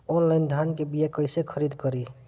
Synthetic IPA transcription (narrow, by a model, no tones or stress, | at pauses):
ɔnlajnd̪ʱankebijakəjsekʰəɾid̪kəɾi